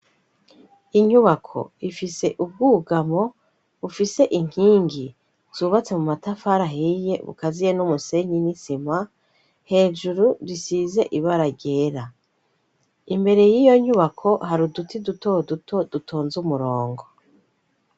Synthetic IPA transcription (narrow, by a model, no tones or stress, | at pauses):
iɲuβakʰo̞̰ifise̞ʔub̚ɡuːɡamo̞ | βufise̞ʔiŋ̥hiːŋɡi | z̥uːβat͡se̞mumatafaɾaɦije̞βṵkazijenumuse̞ɲinisima | he̞ːd͡ʒuɾuɾisize̞ʔiβaɾaɟe̞ːɾa | imbe̞ɾe̞jiːjo̞ɲuβakʰo̞haɾudutiduto̞dutod̥utʰoːnzumuɾo̞ːŋɡo̞